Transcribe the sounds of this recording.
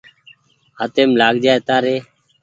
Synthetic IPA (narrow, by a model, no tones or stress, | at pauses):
ɦat̪eːmlaːɡd͡ʒaːeːt̪aːɾeː